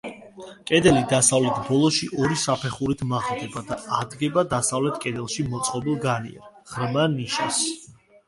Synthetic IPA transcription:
kʼɛd̪ɛlid̪asavlɛt̪ʰbɔlˠɔʃiʔɔɾisapʰɛχuɾit̪ʰmaʁd̪ɛbad̪aad̪ɡɛbad̪asavlɛt̪ʰkʼɛd̪ɛlˠʃimɔt̪sʼqʼɔbilˠɡanḭɛ̰ɾʁ̥ɾmaniʃas

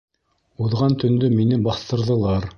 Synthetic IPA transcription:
uðʁɑnt̪ɵ̆nd̪ɵminɘbɑθt̪ɤ̆ɾðɤ̆lˠɑɾ

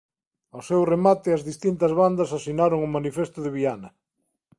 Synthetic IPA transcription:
awsewremat̪ɪɐzðist̪int̪ɐzβand̪ɐsasinaɾoŋʊmanifest̪ʊðɪβianɐ

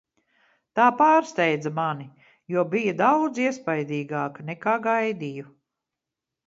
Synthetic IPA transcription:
t̪aːpaːɾst̪ɛjd̪zɐmani | juɔbijɐd̪awd̪ziɛspajd̪iːɡaːkɐnɛkaːɡajd̪iju

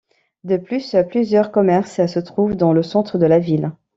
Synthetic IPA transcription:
d̪əplysplyzjœʁkɔmɛʁssət̪χuvd̪ɑ̃ləsɑ̃t̪χəd̪əlavil

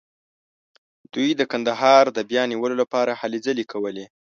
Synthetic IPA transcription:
d̪̥ujd̪əkand̪aɦɑɾd̪əbjɑniwəlolapɑɾahalezəlikʰawəle

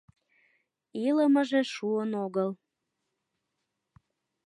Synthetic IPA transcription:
iləməʒeʃuənoɣəl

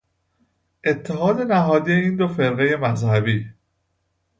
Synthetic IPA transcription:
ʔe̞t̪ʰːeɦɒːd̪e̞næɦɒːd̪ijeiːnd̪ofe̞ɾɣe̞je̞mæzhæbiː

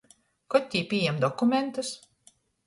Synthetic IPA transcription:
kɔt̪ʲːiːpʲiɛjɛmd̪ɔkumʲent̪us

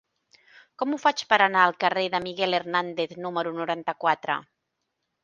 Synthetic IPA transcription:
kɔmufat͡ʃpəɾənaəlˠkəreðəmiɣɛlernand̪eθnuməɾunuɾant̪əkwat̪ɾə̰

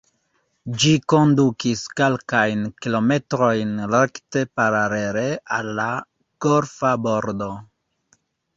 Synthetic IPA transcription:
d͡ʒiko̞ndukiskelkajnkilo̞me̞tɾo̞jnɾekte̞paɾaɾe̞ɾe̞alːa | koɾfabo̞ɾdo̞

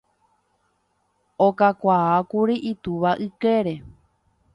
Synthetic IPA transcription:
okakʷaakuɾiʔit̪uʋaʔɨkeɾe̞

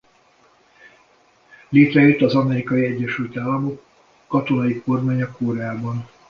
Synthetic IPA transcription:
leːt̪rɛjøt̪ːɒzɒmɛɾikɒjiɛɟːɛʃylt̪aːlːɒmokː | ɒt̪o̞nɒjiko̞rmaːɲɒkːoːɾɛaːbɒn

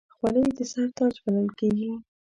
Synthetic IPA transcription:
xwɑnəjd̪əsaɾt̪ɑd͡ʒbanəlkeɡi

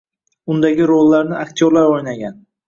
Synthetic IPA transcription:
ʊnd̪aɡʲɪɾolːaɾnɪakt̪ʰɪjoɾlaɾojnaɡʲan

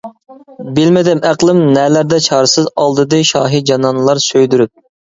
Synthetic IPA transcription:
bɪlmɪd̪ɪmʔæqlˠɪmnɛlæɾd̪ɛt͡ʃʰɑːɾɨsɨzɑlˠd̪ɨd̪ɨʃɑːɦid͡ʒɑnɑnlˠɑɾsøjd̪yɾyp̚

